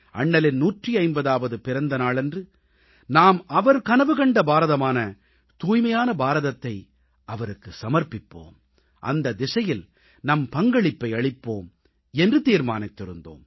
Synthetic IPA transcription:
ʔɐ̰ɳːɐlɪnnuːʈriɐɪmbɐðaːʋɐðɯpɪɾɐnd̪ɐnaːɭɛndrɯ | naːmɐʋɐɾkɐnɐʋɯɣɐɳɖɐbaːɾɐðɐmaːnɐ | t̪uːjmɐjaːnɐbaːɾɐðɐt̪ːɐɪ | ʔɐʋɐɾɯkːɯsɐmɐɾpɪpːo̰ːm | ʔɐ̰nd̪ɐd̪ɪsɐjɪl | nɐmpɐŋɡɐɭɪpːɐɪɐɭɪpːoːm | ɛndrɯt̪iːɾmaːnɐɪt̪ːɪɾɯnd̪o̰ːm

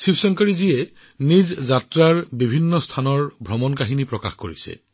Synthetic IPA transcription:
sipʰsɔŋkɔɹiziɛ | nizzatɹaɹbibʱinːɔstʰanɔɹbʱɹɔmɔnkaɦinipɹɔka̰xko̰ɹḭsɛ̰

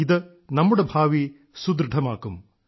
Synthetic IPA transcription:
id̪ɨ | nɐmːuɽebʱaːʋi | sud̪ɾɨʈʰɐmaːkum

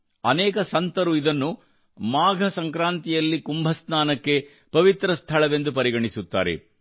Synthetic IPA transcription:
ɐnɛːkɐsɐnt̪ɐɾuid̪ɐnːu | maːɡʱɐsɐŋkɾaːnt̪ijɐlːikumbʱɐsnaːnɐkːe̞ | pɐʋit̪ɾɐst̪ʰɐɭɐʋe̞nd̪upɐɾiɡɐɳisut̪ːa̰ːɾḛ

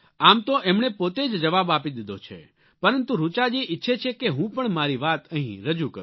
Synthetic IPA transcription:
amt̪oʔemɳepot̪ed͡ʒd͡ʒəʋabapid̪id̪ot͡ʃʰḛ | pəɾənt̪uɾut͡ʃad͡ʒiʔɪtːʃʰet͡ʃʰekeɦũpəɳmaɾiʋat̪əɦḭ̃ɾəd͡ʒukəɾ

